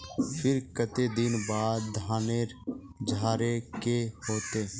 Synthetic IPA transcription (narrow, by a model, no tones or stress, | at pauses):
pʰɪɾkət̪ed̪ɪnbaːd̪d̪ʱaːneɾ | d͡ʒʱaːɾekehoːt̪eː